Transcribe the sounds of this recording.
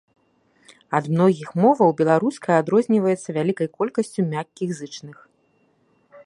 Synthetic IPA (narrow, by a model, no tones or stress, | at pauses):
ɐd̪mnɔɣʲixmɔvɐwbʲɛlˠaɾuskɐjad̪ɾɔzʲnʲivɐjɛt̪sːɐvʲalʲikɐjkɔlʲkɐsʲt͡sʲumʲakʲːiɣzɨt͡ʂnɨx